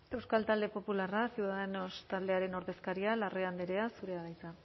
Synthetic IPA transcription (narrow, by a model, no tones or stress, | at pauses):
e̞wskalt̪ald̪e̞po̞pularasiuwðaðenost̪ald̪e̞aɾe̞no̞ɾðe̞skaɾialareand̪eɾe̞asuɾe̞aðajt͡sa